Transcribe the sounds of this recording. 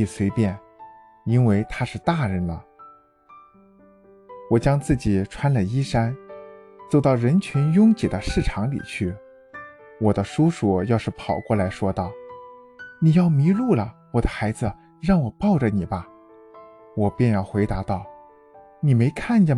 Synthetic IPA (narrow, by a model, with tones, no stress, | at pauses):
i˥˩swe˧˥ɪpjɛ˥˩n | i˥nwe˥˩ɪt̪ʰa˥ʂɻ̩˥˧t̪a˥˩ɻə˧˥nlə̰˩ | wɔ˨˩t͡ɕjɑ˥ŋt͡sɹ̩˥˩t͡ɕi˨˩ʈ͡ʂʰwa˥nlə˨i˥ʂa˥n | t͡so˥˩ʊt̪ɑ˥˩ʊɻə˧˥nt͡ɕʰy˧˥njʊ˥ŋt͡ɕi˨˩d̪ə˦ʂɻ̩˥˩ʈ͡ʂʰɑ˧˥ŋlḭ˨˩t͡ɕʰy˥˩ | wɔ˨˩d̪ə˦ʂu˥ʂu˨˩jɑ˥˧ʊʂɻ̩˥˩pʰɑ˨˩ʊkwɔ˥˩la˧˥ɪʂwɔ˥t̪ɑ˥˩ʊ | ni˨˩jɑ˥˩ʊmi˧˥ɻu˥˩lə˩wɔ˨˩d̪ə˦xa˧˥ɪd͡zɹ̩˧ | ɻɑ˥˩ŋwɔ˨˩pɑ˥˩ʊʈ͡ʂə˩ni˨˩bɐ˦ | wɔ˨˩pjɛ˥˧njɑ˥˩ʊxwe˧˥ɪt̪a˧˥t̪ɑ˥˩ʊ | ni˨˩me˧˥ɪkʰa˥˩nt͡ɕə˥˩